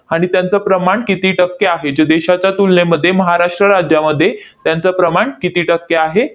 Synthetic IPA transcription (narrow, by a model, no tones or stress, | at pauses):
aɽ̃it̪jant͡səpɾəmaɳkit̪iːʈəkːeaɦed͡ʑed̪eɕat͡ɕjat̪ulneməd̪ʱːjeməɦaɾaʂʈɾəɾad͡ʑjaməd̪ʱːjet̪jant͡səpɾəmaɳkit̪iːʈəkːeaɦe